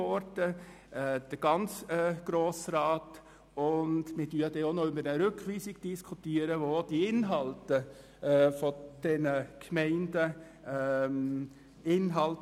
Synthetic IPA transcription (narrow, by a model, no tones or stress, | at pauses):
ɔɾdə | ɛd̥əɡ̥ɑnt͡sɛɡ̥ɾoːsɾɑːt | ʊndmɪdyːdɛonoʏbəɾəɾʏkʋiːsɪɡ̥d̥iskʰutiːəɾəʋod̥iɪnɦɑltə | fɔd̥ɛnəkʰmɛɪndə | ɪnɦɑlt